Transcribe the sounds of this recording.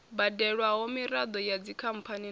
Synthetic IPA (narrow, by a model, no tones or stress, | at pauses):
badɛɺwaɦɔmiɾad̪ɔjad͡zikʰam̩pʰani